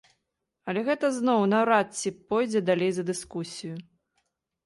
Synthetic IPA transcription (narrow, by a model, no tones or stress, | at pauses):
ɐlʲɛɣɛt̪ɐznɔwnɐwɾat̪t͡sʲipɔjd͡zʲɛd̪alʲejzɐd̪ɨskusʲijʊ